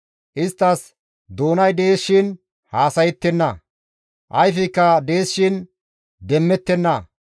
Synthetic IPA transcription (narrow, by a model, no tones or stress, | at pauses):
ʔɪst̪ːɐs | d̪o̞ːnɐjd̪eːʃːɪn | haːsɐjɛt̪ːɛnːɐ | ʔɐjfɪkːɐd̪e̞ːsːɪn | d̪ɛmːɛt̪ːɛnːɐ